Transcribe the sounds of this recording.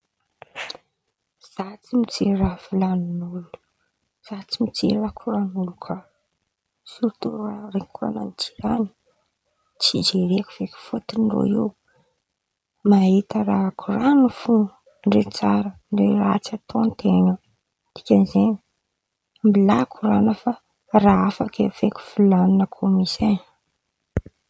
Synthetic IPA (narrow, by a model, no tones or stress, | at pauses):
z̥at͡simit͡serafilaninulu̥ | z̥at͡simit͡sḛrakʰuranulukʰa | suɾt̪uɾrarekʰua̰na̰nid͡ʒi̥ɾani̥ | t͡sid͡ʒeɾekuv̥ekʲu̥fot̪iniro̰iw | maɦit̪əraakʰuranufu | ɳɖ͡ʐet͡saɾənɖ͡ʐeraat͡sat̪oant̪enə | t̪i̥kʲanzeni | mbilakʰuranəfa | raafakeveku̥fulanunəkʰomisen